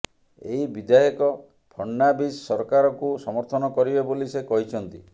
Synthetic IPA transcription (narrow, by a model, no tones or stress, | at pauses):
ḛɦibid̪ajɔkɔ | pʰɔɳːabissɔɾkaɾɔkusɔmɔɾt̪ʰɔnɔkɔɾibebolisekɔɦit͡ʃʰɔnt̪ḭ